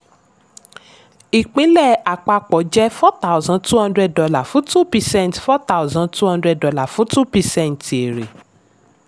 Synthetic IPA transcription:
i˨k͡pĩ˨˦lɛ˦˨a˨k͡pa˧k͡pɔ˨˦d͡ʒɛ˦fɔ˦ta˦u˨zã˧tu˦hã˦ndɾɛ˧ddɔ˧la˨fũ˨˦tu˦pi˧sɛ̃˦˨n˨tfɔ˦ta˦˨zã˧tu˦hã˧ndɾɛ˧dɔ˧la˨fũ˨˦tu˦pi˧sɛ̃˦˨n˨te˨ɾe˨

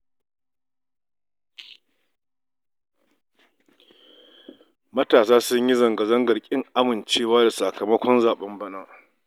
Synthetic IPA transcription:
mɐ˦taː˨saː˦sʊ˦ɲji˦zɐ˨ŋɡɐ˨zɐ˦ŋɡɐ˨rkʲʼɪ˦ŋʔa˦mɪ˨nt͡ʃeː˦waː˦da˨sa˨kɐ˨mɐ˦kʷɔ˦nzaː˨ɓɐ˦mbɐ˦naː˦

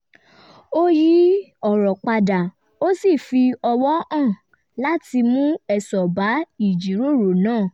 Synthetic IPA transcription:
o˦ji˦ɔ˦˨ɾɔ˨k͡pa˧da˨ | o˦si˦˨fi˧ɔ˧wɔ˦ã˦˨ | la˦ti˧mũ˦ɛ˦˨sɔ˨ba˨˦i˦˨d͡ʒi˨˦ɾo˦˨ɾo˨nãː˦˨

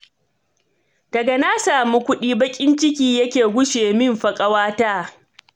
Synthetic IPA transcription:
d̥ɐ˨ɡɐ˨naː˦saː˨mu˦kʷʊ˦ɗiː˦bɐ˦kʲʼɪ˦nt͡ʃɪ˦kʲiː˦jɐ˦kʲeː˨ɡʷʊ˦ʃeː˨mɪ˦mɸɐ˨kʼɐ˦waː˦taː˦

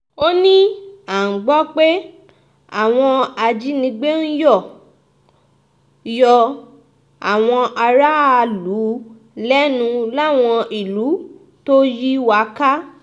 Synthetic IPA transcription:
o˦nĩ˦a˨ɡ͡bɔ˦k͡pe˦ | a̰˨w̃ɔ̃˧a˧d͡ʒi˦nĩ˧ɡ͡be˦n̩˦jɔ˦˨ | jɔ˧ | a˨w̃ɔ̃˧ʔa˧ɾa˦a˧lu˨˦ | lɛ˦nũ˧la˦˨w̃ɔ̃˧ʔi˨lu˨˦ | to˦ji˦wa˨˦ka˦

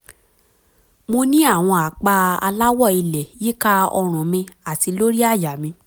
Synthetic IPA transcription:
mo˧nĩ˦a˦˨w̃ɔ̃˧a˨k͡pa˧a̰˧la˦wɔ˦˨i˧lɛ˨ji˦ka˦ɔ˧ɾ̃ɔ̃˨mĩ˧a˨ti˨˧lo˦ɾi˦a˦˨ja˨mĩ˧

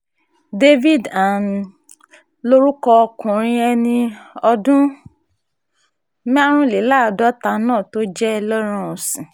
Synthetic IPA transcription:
de˦vi˦˨da˨n˨ | lo˦ɾu˦kɔ˧ɔ˧kũ˨ɾ̃ĩ˧ɛ˧nĩ˧ɔ˧dũ˦ | mĩ˦a˦ɾ̃ũ˦˨le˨˦laː˦˨dɔ˦ta˧nãː˦˨to˦d͡ʒɛ˦˧lɔ˦ɾ̃ã˦˨ɔ˨sĩ˨

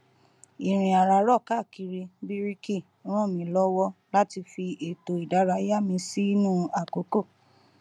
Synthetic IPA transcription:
i˨ɾ̃ĩ˨a˨ɾa˧˨ɾɔ˦˨ka˦˨ki˨˧ɾi˧bi˦ɾi˦ki˦˨˦ɾ̃ɔ̃˦˨mĩ˧˦lɔ˦wɔ˦la˦ti˧fi˧e˨to˨i˨da˨˦ɾa˧˦ja˦mĩ˧si˦i˦nũ˦˨a˨ko˨˦ko˦˨

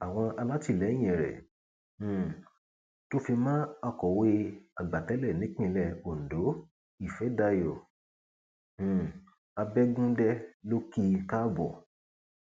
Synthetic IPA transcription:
a˨w̃ɔ̃˧a˧la˦ti˦˨lɛ˨˦j̃ɛ̃˨ɾɛ̰̃˨ | to˦fi˧mãː˦a˧kɔ˨we˧a˨ɡ͡ba˨tɛ˨˦lɛ˦˨nĩ˨˦k͡pĩ˦˧˦lɛ˦˨o˨n̩˨do˨˦ | i˦˨fɛ˨˦da˧jo˨ | a˧bɛ˦ɡũ˦dɛ˦lo˦ki˦ka˦bɔ˨

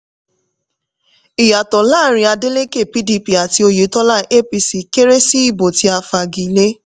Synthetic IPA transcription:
i˨ja˨tɔ˨laː˦ɾ̃ĩ˧a˧de˦le˦ke˦˨pi˦di˧pi˨˦a˨ti˧o˧je˨˦tɔ˦la˦ʔe˦pi˧si˨ke˦ɾe˦si˦i˦˨bo˨ti˧a˧fa˧ɡi˨˦le˦

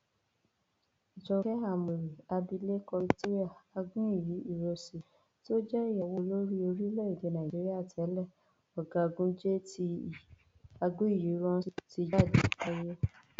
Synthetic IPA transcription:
i˨d͡ʒɔ˧kɛ˦ɦa˦˨mu˨ɾi˨a˧bi˧le˦kɔ˧i˧to˦ɾi˦a˦˨a˧ɡũ˦i˦˨ji˨˦i˦˨ɾo˧si˨ | to˦d͡ʒɛ˦i˦˨ɔ˧wo˧lo˦ɾi˦o˧ɾi˦lɛ˦i˨li˨˦nã˨d͡ʒi˨˦ɾi˦a˦˨tɛ˨˦lɛ˦˨ | ɔ˨ɡa˨˧ɡũ˦d͡ʒe˦ti˧ | a˧ɡũ˦i˦˨ji˨˦ɾɔ̃˦si˦˨ti˧d͡ʒa˦˨di˨ka˦je˦

